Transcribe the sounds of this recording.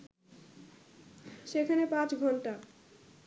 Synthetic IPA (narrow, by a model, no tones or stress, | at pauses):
ʃekʰanepãt͡ɕɡʱɔɳʈa